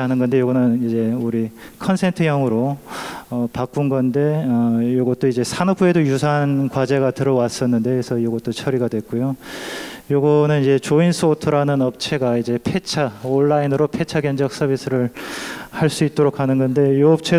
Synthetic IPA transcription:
anɯnɡʌnde̞joɡʌnɯnid͡ʑe̞uɾi | kʰʌnsʰe̞ntʰɯjʌŋɯɾo | ʌpak͈unɡʌnde̞ʌjoɡʌt̚t͈oid͡ʑe̞sʰanʌpʰue̞dojusʰankwad͡ʑe̞ɡatɯɾʌwas͈ʌnːɯnde̞ːsʰʌjoɡʌt͈ot͡ɕʰʌɾiɡadwe̞k͈ojo | joɡʌnɯnid͡ʑe̞t͡ɕoinsʰotʰɯɾanɯnʌp̚t͡ɕʰe̞ɡaid͡ʑe̞pʰe̞t͡ɕʰaoɭːainɯɾopʰe̞t͡ɕʰaɡjʌnd͡ʑʌk̚s͈ʌbis͈ɯɾɯɭhaɭs͈uit̚t͈oɾokʰanɯnɡʌnde̞joʌp̚t͡ɕʰe̞

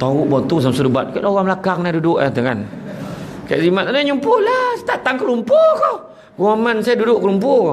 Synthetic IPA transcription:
t̪aʊʔbɔnt̪us̬amsudəbat̪̚kaʔlawamlakaŋnadudʊʔat̪əkan | ka̰ʔzimat̪̚anəɲumpʊlast̪aʔt̪aŋkəlumpokɔ | ɡuamansajadudʊʔkəlump̬ʊ

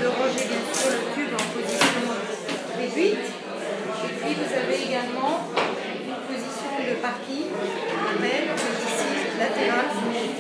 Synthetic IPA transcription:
d̪əʁɔʒebɛ̃t̪olət̪ybɑ̃pozisjɔ̃ | ʁed̪ɥit̪ | epɥivuzaveːɡalmɑ̃ | ynpozisjɔ̃d̪əpaʁkʲĩŋamɛlbəvisilat̪eʁa

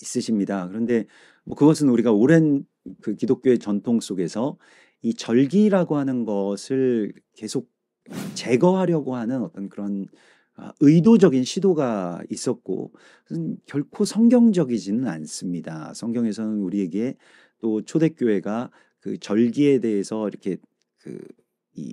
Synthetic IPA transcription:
is͈ɯɕʰimɲidakɯɾʌnde̞ | mʌkɯɡʌs̬ʰɯnuɾiɡaoɾe̞n | kɯkidok͈̚joe̞t͡ɕʌntʰoŋs͈oɡe̞sʰʌ | it͡ɕʌɭɡiɾaɡohanɯnɡʌsʰɯɭ | ke̞sʰok̚ | t͡ɕe̞ɡʌɦaɾjʌɡoɦanɯnʌt͈ʌnkɯɾʌn | ʌ̰ɯidod͡ʑʌɡinɕʰidoɡais͈ʌt̚k͈o̰ | ʌnkjʌɭkʰosʰʌŋɡjʌŋd͡ʑʌɡid͡ʑinɯna̰ns͈ɯmɲida̰sʰʌŋɡjʌŋe̞sʰʌnɯnuɾie̞ɡe̞ | t͈ot͡ɕʰode̞k͈joɦe̞ɡa | kɯt͡ɕʌɭɡie̞de̞ɦesʰʌiɾʌkʰe̞ | kɯ̰ | ḭ

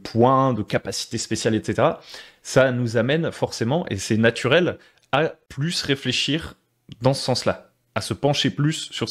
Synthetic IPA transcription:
pʰwɛ̃d̪əkapasi̥t̪espesjalɛt̪set̪eʁa | sanuzamɛnfɔʁsemɑ̃ʔḛsɛnat̪ʰyʁɛl | aplysʁefleʃiʁ | d̪ɑ̃sə̥sɑ̃sla | asəpɑ̃ʃeplysːyʁ

